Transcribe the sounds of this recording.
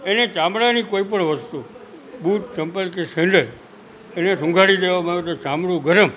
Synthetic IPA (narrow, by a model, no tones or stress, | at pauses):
enet͡ʃamɽanikoipəɳʋəst̪u | buʈ̚t͡ʃəmpəlk̬esẽɳɖəl | enesə̃ŋɡʱaɭid̪eʋamãot̪ot͡ʃamɽũɡʱəɾəm